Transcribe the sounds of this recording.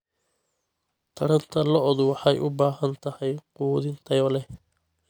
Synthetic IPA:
t̪ʰɐɾɐnt̪ʰɐlɔʔɔðʊwɑħɑjʔʊbaːɦɐnt̪ʰɐhɛjquːðɪnt̪ʰɐjɔlɛ

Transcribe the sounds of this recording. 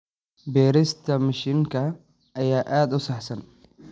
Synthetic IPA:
bɛːɾɪst̪ʰɐmɐʃiːŋkʰɐ | ʔɐjaːʔaːd̪ʊsɑħsɐn

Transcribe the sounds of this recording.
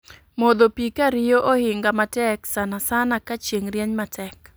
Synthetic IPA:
mod̪opikaɾɪjoʔohɪŋɡamatɛksanasanakat͡ʃeŋɾjɛɲmatʰɛk

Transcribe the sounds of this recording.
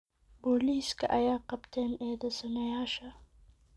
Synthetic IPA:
boːliːskɐ̰ʔɐjaːqɐbt̪ʰeːneːd̪ɐsɐnɐjaːʃa

